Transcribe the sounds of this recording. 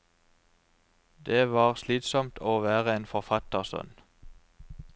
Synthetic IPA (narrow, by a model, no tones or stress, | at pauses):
d̪eːʋɑːʁsliːt̪sɔmt̪ʰoːʋæːʁəeːnfɔʁfɑt̪əʁsœ̰n